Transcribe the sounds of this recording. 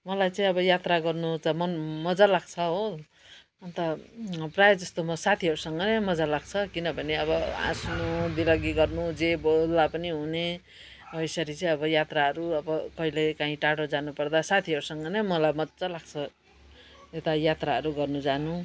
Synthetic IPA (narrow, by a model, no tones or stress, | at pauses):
mʌlajt͡sʌĩʌbʌjat̪raɡʌrnut͡sʌmʌmʌd͡zalaɡt͡sʰʌɦo | ʌnt̪ʌprajʌd͡zʌst̪omʌsat̪ʰiɦʌɾusʌŋɡʌnʌmʌd͡zalaɡ̚t͡sʰʌkinʌbʱʌneʌbʌã̰snud̪ilʌɡiɡʌrnud͡zebold̪apʌniɦune | ʌjsʌɾit͡sʌĩʌbʌjat̪raɦʌɾuʌbʌkʌilekãɦĩʈaɽod͡zanupʌrd̪asat̪ʰiɦʌɾusʌŋɡʌnʌmʌlajmʌt͡sʌlaɡ̚t͡sʰʌ | et̪ajat̪raɦʌɾuɡʌrnud͡zanu